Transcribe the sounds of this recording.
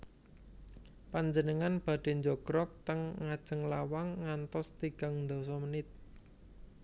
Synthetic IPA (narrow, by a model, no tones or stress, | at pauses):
paɲd͡ʒənəŋanb̥ä̤ɖ̥e̤ɲd͡ʒɔɡ̥ɾɔk̚t̪əŋːad̥ʒ̥ə̤ŋlawaŋːant̪ɔst̪iɡ̥a̤ŋnd̪ɔ̤sɔmənɪt̪̚